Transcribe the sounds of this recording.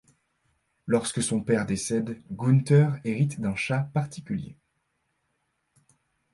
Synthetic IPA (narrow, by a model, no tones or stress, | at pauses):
lɔʁskəsɔ̃pɛʁd̪esɛd̪ɡunt̪œʁeʁit̪d̪ɛ̃ʃapaʁt̪ikʲyljḛ